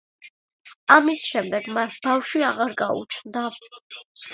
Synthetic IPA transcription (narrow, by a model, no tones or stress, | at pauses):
amisʃɛmd̪ɛɡmasbafʃwiaʁaɾɡaṵt͡ʃʰnd̪a